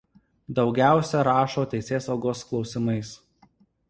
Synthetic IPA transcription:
d̪ɒʊɡʲæˑʊsʲɛɾɑːʃoːt̪ʲɛɪsʲeːsɐʊɡoːsklˠɒʊsʲɪmɐɪs

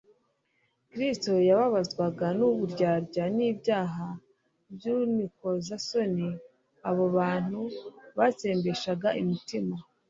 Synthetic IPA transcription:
kɾisto̞jaβaβazɡwaɡanuβuɾɟaːɾɟaniːbɟaːɦa | bjuniko̞zaso̞ni | aβoβaːn̥uβat͡se̞ːmbe̞ʃaɡaʔimitima

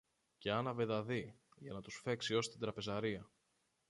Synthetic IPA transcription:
ce̞ɐnɐveðɐðiʝɐnɐt̪usfe̞ksio̞st̪id̪ɾɐpe̞zɐɾiɐ

